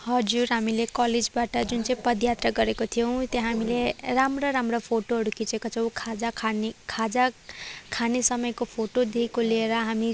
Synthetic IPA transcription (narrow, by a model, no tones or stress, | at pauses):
hʌd͡zuɾɦamilekʌled͡zbaʈʌd͡zunt͡sʌĩpʌd̪jat̪rʌɡʌɾekot̪ʰijʌw̃t̪jaɦamileramroɾamropʰoʈoɦʌɽukit͡sekot͡sʰʌw̃kʰad͡zakʰankʰad͡zakʰanesʌmʌjkopʰoʈod̪iikoleɾʌɦami